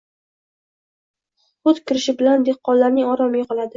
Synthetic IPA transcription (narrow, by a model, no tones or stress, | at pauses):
χʊt̪kʲʰɪɾɪʃɪbɪland̪e̞qːɒllːaɾnɪŋɒɾɒmɪjʲɪqʰlˠad̪ɪ